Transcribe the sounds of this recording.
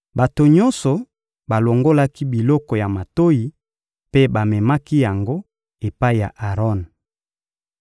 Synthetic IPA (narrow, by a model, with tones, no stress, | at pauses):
ba˨to˨ɲɔ˦nsɔ˨ | ba˨lo˨ŋɡo˦la˦ki˦bi˨lɔ˦kɔ˨ja˨ma˨to˦ji˨ | pe˦ba˨mɛ˨ma˦ki˦ja˨ŋɡo˦ | e˨pa˦i˨ja̰˨ʔa˨ʁɔ˦n